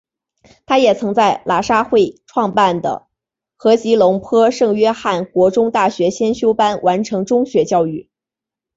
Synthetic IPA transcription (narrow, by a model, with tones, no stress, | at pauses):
t̪ʰa˥jɛ˨˩t͡sʰɤ˧˥ŋt͡sa˥˩ɪlʔa˨˥˩ʂa˥xwe˥˩ɪʈ͡ʂʰwɑ˥˧ŋpa˥˩nd̪ə̰˩ | xɤ˧˥t͡ɕi˧˥lʊ˧˥ŋpʰɤ˥ʂɤ˥˩ŋɥɛ˥xa˥˩nkwɔ˧˥ʈ͡ʂʊ˥ŋt̪a˥˩ɕɥɛ˧˥ɕjɛ˥nɕjo˥ʊpa˥nwʔa˧˥nʈ͡ʂʰɤ˧˥ŋʈ͡ʂʊ˥ŋɕɥɛ˧˥t͡ɕjɑ˥˧ʊy˥˩